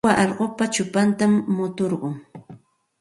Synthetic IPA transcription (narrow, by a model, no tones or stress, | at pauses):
aʔɑʎɢopat͡ʃʊpant̪amːʊt̪oɾɢʊŋ